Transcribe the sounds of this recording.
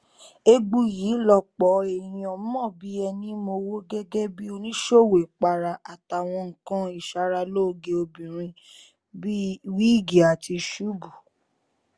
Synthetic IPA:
e˦ɡ͡bu˧ji˨˦lɔ˧k͡pɔ˨˦e˨ɾ̃ĩ˧ɔ˧˦mɔ̃˦˨bi˨˦ɛ˧nĩ˧˦mo˧wo˦ɡɛ˦ɡɛ˦bi˦o˧nĩ˦ʃo˦˨we˨k͡pa˧ɾa˧a˨ta˨w̃ɔ̃˧ŋ̩˨kã˦i˦˨ʃa˧ɾa˧lo˦˨ɡe˧o˧bĩ˨ɾ̃ĩ˧ | bi˦wi˦˨ɡi˨a˨ti˧ʃu˦bu˨

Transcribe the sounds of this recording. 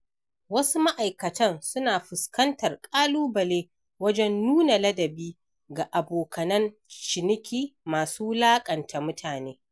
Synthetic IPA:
wɐ˦su˦ma˦ʔa˨jkɐ˨tɐ˦nsʊ˦naː˨ɸʊ˨skɐ˦ntɐ˨rkʼaː˦luː˦bɐ˨leː˦ | wɐ˦d͡ʒɛ˦nːuː˦na˨lɐ˦dɐ˨biː˦ | ɡa˨ʔa˨boː˨kɐ˨nɐ˦nt͡ʃɪ˨nɪ˦kʲiː˦maː˨suː˦laː˦kʼɐ˨ntʰa˨mʊ˦tʰaː˨neː˦

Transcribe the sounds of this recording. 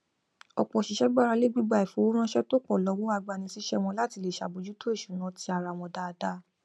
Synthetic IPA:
ɔ̰˨k͡pɔ˨ʃi˨ʃɛ˦ɡ͡ba˦ɾa˧le˦ɡ͡bi˦ɡ͡ba˦˨i˨fo˨˦u˦ɾ̃ã˦ʃɛ˦to˦k͡pɔ˦˨lɔ˨˧˦wo˦a˧ɡ͡ba˧˨nĩ˧si˦ʃɛ˦w̃ɔ̃˧la˦ti˧le˦˨ʃa˨bo˧d͡ʒu˦to˦e˦˨ʃu˨˦nã˨˦ti˧a˧ɾa˧w̃ɔ̃˧da˦˧da˦

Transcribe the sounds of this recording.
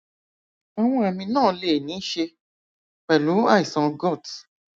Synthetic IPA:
ɔ˧w̃ɔ̃˧˦ɛ˨mĩ˧nãː˦˨˦le˨nĩ˨˦ʃe˧ | k͡pɛ˨lu˨˦a˦˨i˨sã˧ɡɔ˦˨t

